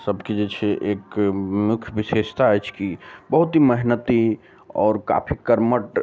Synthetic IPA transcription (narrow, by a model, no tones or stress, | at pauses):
səbked͡ʒet͡ʃʰeʔeːkmʊkʰjbiʃeʃt̪aːjt͡ʃʰkibəɦut̪iməɦnət̪i | ɔ̰ːɾka̰pʰikəɾməʈ